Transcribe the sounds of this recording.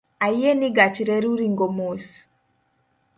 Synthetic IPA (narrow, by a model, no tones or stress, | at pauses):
ajeniɡat͡ʃiɾeɾuɾiŋɡomos